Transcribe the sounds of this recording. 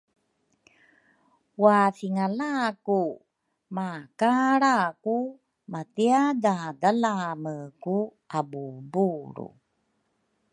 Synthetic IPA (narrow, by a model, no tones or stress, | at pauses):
wafiŋalaku | makaɾaku | matiadadalaməku | abubuɾṵ